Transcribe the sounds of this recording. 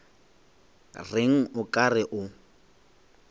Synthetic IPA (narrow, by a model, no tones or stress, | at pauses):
rɪŋ̩ʊkʼarɪʔʊ